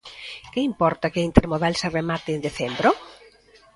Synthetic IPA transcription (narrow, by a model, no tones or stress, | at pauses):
keimpɔɾt̪akeint̪eɾmoðalseremat̪eːnd̪eθɛmbɾo